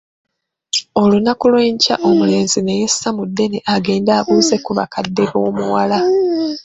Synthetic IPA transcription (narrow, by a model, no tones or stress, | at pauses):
o̞lunakulweːɲca̰ʔo̞mule̞ːnzine̞je̞sːamudːe̞neʔaɡe̞ːndaːβuːze̞kuβa̰kadːe̞βo̞ːmuwala